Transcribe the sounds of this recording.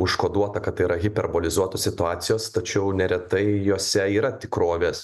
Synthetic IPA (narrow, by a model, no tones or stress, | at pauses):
ʊʃkoːd̪uɔt̪ɐkɐt̪ːɐɪiɾɐɣʲɪpʲɛrboːlʲɪzuɔt̪oːsʲɪt̪ʊɑːt̪sʲɪjoːst̪ɐt͡ʃʲɛʊnʲɛɾʲɛt̪ɐɪjoːsʲɛiːɾɐt̪ʲɪkɾoːʋʲeːs